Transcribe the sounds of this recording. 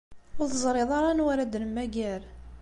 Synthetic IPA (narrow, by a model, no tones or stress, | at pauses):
ʊɾθəzˤɾeðˤɑɾˤɑnwaɾad̪nmæɡæɾ